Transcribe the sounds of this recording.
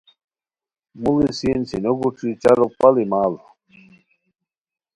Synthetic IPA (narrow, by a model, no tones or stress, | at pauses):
mulisinsinoɡuʈ͡ʂit͡ɕaɾopalimaːl